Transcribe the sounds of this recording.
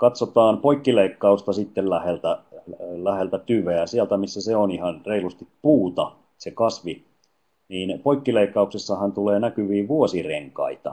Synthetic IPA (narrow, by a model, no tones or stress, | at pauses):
kɑt̪sot̪ɑːnpoikːileikːɑust̪ɑsit̪ːellæhelt̪ælæhelt̪æt̪yʋeæsiælt̪æmisːæseonihɑnreilust̪ippuːt̪ɑ | sekɑsʋi | niːnpoikːileikːɑuksesːɑhænt̪uleːnækyʋiːʋuosireŋkɑ̰it̪ɑ̰